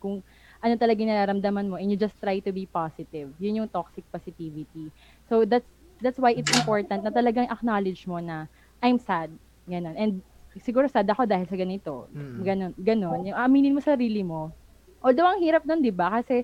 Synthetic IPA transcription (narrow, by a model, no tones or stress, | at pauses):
kʊŋ | ʔɐnot̪ɐlɐɡaŋnɐɾaːɾɐmd̪ɐmɐnmoʔɛnjʊd͡ʒɐst̪ɾajt̪ʊbipasɪt̪ɪvjʊnjʊŋt̪oksɪk̚posɪt̪ivɪt̪i | sowd̪at̪s | d̪at̪swajɪt̪sɪmpo̞ɹt̪ɐnt̪̚nɐt̪ɐlɐɡaŋʔɐk̚nalɪd͡ʒmo̞nɐ | ʔajmsad̪̚ | ɡɐno̞nʔɛnd̪̚ | sɪɡuːɾosad̪ɐko̞d̪aːhɪlsɐɡɐnɪt̪o̞ɡɐno̞nɡɐno̞njʊŋʔɐʔɐmiːnɪnmosɐɾiːlɪmo̞ | ʔod̪ɐwɐŋhiːɾɐp̚nond̪ɪbakɐsɛ